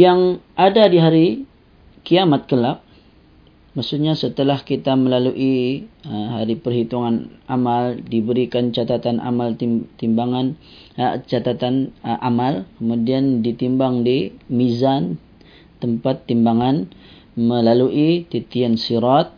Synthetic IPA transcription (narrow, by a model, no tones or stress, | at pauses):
jaŋʔadadiɦaɾi | kiamat̪̚kəlap̚ | masuɲasət̪əlahkit̪aməlaluʔiəɦaɾipərɦit̪uŋanamaldibəɾikant͡ʃat̪at̪anʔa̰malt̪it̪imbaŋan | ət͡ʃat̪at̪anʔamalkəmudiandit̪imbaŋdimizan | t̪əmpat̪ːimbaŋan | məlaluʔit̪it̪iansiɾat̪̚